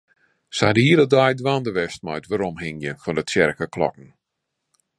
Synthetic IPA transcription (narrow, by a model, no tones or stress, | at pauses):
sadəhiədədajdʋandəʋɛst̚majtʋaɾɔmhɪŋjəfɔndətjɛrkəkʰlɔ̰kn̩